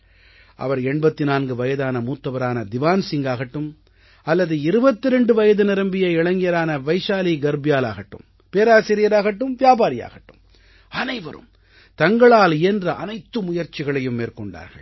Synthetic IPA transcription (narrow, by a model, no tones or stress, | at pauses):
ʔɐ̰ʋɐɾɛɳbɐt̪ːɪnaːnɡɯʋɐjɐðaːnɐmuːt̪ːɐʋɐɾaːnɐd̪ɪʋaːnsɪŋɡaːɣɐʈːɯm | ɐlːɐðɯɪɾɯbɐt̪ːɪɾɛɳɖɯʋɐjɐðɯnɪɾɐmbɪjɐɪɭɐŋɡɪjɐɾaːnɐʋɐɪʂaːliɡɐɾbɪjaːla̰ːɣɐʈːɯ̰m | peːɾaːsɪɾɪjɐɾaːɣɐʈːɯmʋɪjaːbaːɾɪja̰ːɣɐʈːɯm | ɐnɐɪʋɐ̰ɾɯ̰m | t̪ɐŋɡɐɭaːlɛndrɐʔɐnɐɪt̪ːɯmʊjɐɾt͡ʃɪɣɐɭɐjɯmːeːɾkɔɳɖa̰ːɾɣɐ̰ɭ